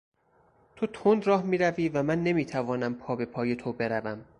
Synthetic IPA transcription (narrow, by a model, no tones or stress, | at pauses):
t̪ʰo̞t̪ʰond̪ɾɒːhmiːɾæviːvæmænːe̞miːt̪ʰævɒːnæmpʰɒːbe̞pʰɒːje̞t̪ʰo̞be̞ɾævæm